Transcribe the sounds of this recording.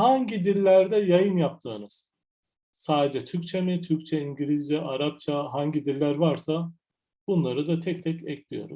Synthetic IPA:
haɲɟid̪ilʲːæɾd̪ɛjajɯmjap̚t̪ʰɯːnɯz̥ | saːd̪ed͡ʒɛt̪ʰyɾc̚t͡ʃʰemit̪ʰyɾc̚t͡ʃʰɛiɲɟilʲizd͡ʒɛʔaɾap̚t͡ʃʰaɦaɲɟid̪ilʲːæɾvaɾsa | b̥unlˠaɾɯd̪at̪ʰɛc̚t̪ʰɛcɛclʲijo̞̰ɾṵm

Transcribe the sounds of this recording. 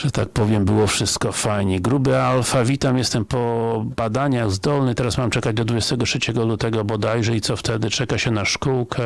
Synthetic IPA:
ʐ̥ɛt̪a̰k̚pɔvʲjɛmbɘwɔfʂɘst̪kɔfajɲɛɡɾubɘalfavʲit̪amjɛst̪ɛmpɔbad̪aɲaɣzd̪ɔlnɘt̪ɛɾasmamt͡ʂɛkad͡ʑd̪ɔd̪vud͡ʑɛst̪ɛɡɔtʂɛt͡ɕɛɡɔlut̪ɛɡɔbɔd̪ajʐɛit̪sɔft̪ɛd̪ɘt͡ʂɛkaɕɛnaʂkuwkʰɛ

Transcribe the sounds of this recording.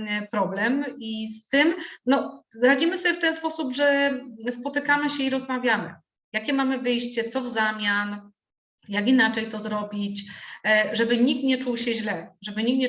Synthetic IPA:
pɾɔblɛmist̪ɘmnɔɾad͡ʑimɘsɔbʲjɛft̪ɛnspɔsubʐɛspɔt̪ɘkamɘɕɛiɾɔzmavʲjamɘ̰ | jakʲɛmamɘvɘjɕt͡ɕɛt̪sɔvzamʲjan | jakinat͡ʂɛjt̪ɔzɾɔbʲit͡ɕ | ʐɛbɘɲikt̪ɲɛt͡ʂuwɕɛʑlɛʐɛbɘɲik̚tɲɛ

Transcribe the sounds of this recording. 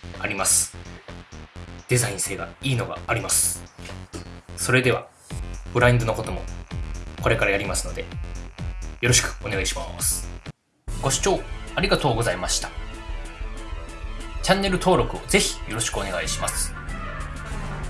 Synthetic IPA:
aɾʲimasɨ̥ | d̪̥e̞zaĩse̞ːɡa̰iːno̞ɡa̰ːɾʲimasɨ̥ | so̞ɾe̞d̪e̞β̞a̰ | b̥ɯ̟ɾaĩnd̪o̞noko̞t̪o̞mo̞̰ | ko̞ɾe̞kaɾajaɾimasɨ̥no̞d̪e̞̰ | jo̞ɾo̞ɕi̥kɯ̟̥o̞ne̞ɡaiɕima̰ːsɨ̥ | ɡ̥o̞ɕi̥t͡ɕo̞ːaɾʲiɡat̪o̞ːɡo̞zaimaɕi̥t̪ḁ | t͡ɕãnːe̞ɾɯ̟t̪o̞ːɾo̞kɯ̟o̞ze̞çi̥jo̞ɾo̞ɕi̥kɯo̞ne̞ɡaiɕimasɨ̥

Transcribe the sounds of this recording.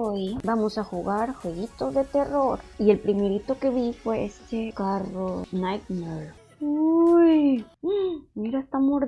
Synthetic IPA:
ojbamo̞saxuɣaɾxweɣit̪o̞zðe̞t̪e̞ro̞ɾie̞lpɾime̞ɾit̪o̞ke̞βifwe̞est̪ekaronajt̪mol | uj | miɾaest̪amoɾ

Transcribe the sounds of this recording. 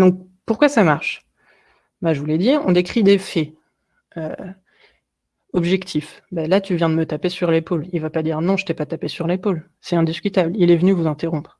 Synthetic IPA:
d̪ɔ̃k̚puʁkwasamaʁʃ | maʒəvulɛd̪iʁɔ̰̃d̪ekχid̪efɛ | ø | ɔbʒɛkt̪ʰifbalat̪yvjɛ̃d̪əmət̪apesyʁlepolilvapad̪iʁnɔ̃ʒət̪ɛpat̪apesyʁlepol | sɛɛ̃d̪iskʲyt̪ablilɛvənyvuzɛ̃t̪eʁɔ̃pχ

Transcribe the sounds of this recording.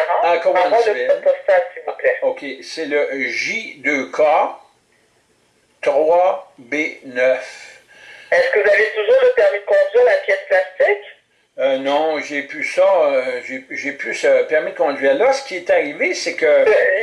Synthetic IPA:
ɑ̃akɔmɑ̃ɑ̃d̪əɛɛt̪̚pɔst̪asivuplɛokʲʰesɛləʒid̪økʰa | t̪ʁwabenœf | ɛskəvuzavet̪uʒuːʁləpɛʁmid̪əkɔ̃d̪ɥiːʁlapjɛsplast̪ikʲ | ønɔ̃ʒepysaʒeʒepysəpɛʁmid̪əkɔ̃d̪zɥiːʁlasə̥kʲiɛt̪aʁivesɛkə

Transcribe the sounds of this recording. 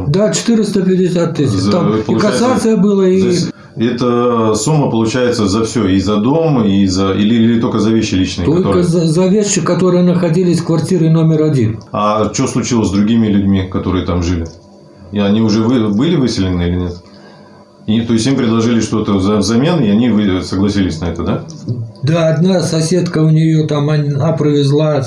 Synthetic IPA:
d̪at͡ɕɪ̥t̪ɨɾʲɪst̪əpʲɪdʲɪsʲat̪ːɨsʲt̪ampəliʊkɐsat̪sɨjəbɨlˠəiosʲ | ɛt̪əsumːəpəlˠʊt͡ɕæjɪt̪səzɐfsʲoizɐd̪o̞mizɐḭlʲɪɪt̪olkəzɐvʲeɕːɪlʲit͡ɕnɨjt̪oklʲokəzzɐvʲeɕːɪkɐt̪o̞ɾɨjənəxɐdʲilʲɪsʲfkvɐrtʲiɾəno̞mʲɪɾɐdʲinɐt͡ɕoslˠʊt͡ɕilˠəsʲd̪ɾʊɡʲimʲɪlʲʊdʲmʲikɐt̪o̞ɾɨjət̪amʐɨlʲɪ | iɐnʲiʊʐɛvɨbɨlʲɪvɨsʲɪlʲɪnɨilʲɪnʲet̪ | t̪o̞jɪsʲimpɾʲɪd̪lˠɐʐɨlʲɪʂt̪o̞t̪əzɐvzɐmʲe̞nɪɐnʲivɨsəɡlˠɐsʲilʲɪsʲnɐɛt̪əd̪ad̪aɐd̪nasɐsʲe̞t̪kəʊnʲɪjot̪amɐapɾəvʲɪzlˠa

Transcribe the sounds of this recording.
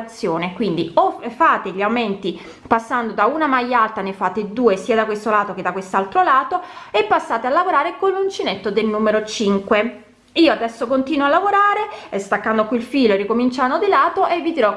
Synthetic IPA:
t̪sːjoːnekwind̪iofaːt̪eʎiawment̪i | pasːand̪od̪aunamajːalt̪anefat̪ːed̪uːesiːad̪akwest̪olaːt̪ok̟ed̪akwest̪alt̪ɾolaːt̪oepːasːaːt̪ealːavoɾaːɾekonlunt͡ʃinet̪ːod̪elnuːmeɾot͡ʃiŋkwe | iːoad̪ɛsːokont̪iːnwoalːavoɾaːɾest̪akːand̪okːilfiːloerikomint͡ʃanod̪ilaːt̪oʔevːit̪iɾɔ

